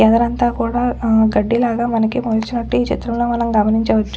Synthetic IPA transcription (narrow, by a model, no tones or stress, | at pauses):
ɛd̪ɐɾɐnt̪aːkuːɽaːɡɐɖːilaːɡaːmɐnɐkimod̪t͡ʃinɐʈːuiːt͡ʃḭt̪ɾɐmlo̞ːmɐnɐmɡɐmɐniɲt͡ʃɐʋɐt͡ʃːu